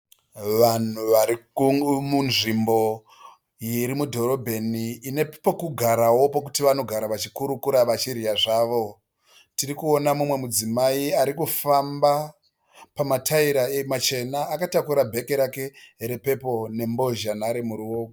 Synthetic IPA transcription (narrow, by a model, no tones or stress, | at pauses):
ʋan̤uʋaɾimunʐimbo̞ | jiɾimudʱo̞ɾo̞bʱe̞niːne̞pokuɡʱaɾawo̞pokutiʋano̞ɡʱaɾaʋat͡ʃikuɾukuɾaʋat͡ʃiɾijaʐaːʋo̞ | tiɾikuonamumwe̞mud͡zimaiaɾikufamba | pamatʰaiɾaemat͡ʃe̞naːkatakuɾabʱe̞keɾake̞ɦeɾepe̞po̞ne̞mbo̞ʒanaɾimuɾiok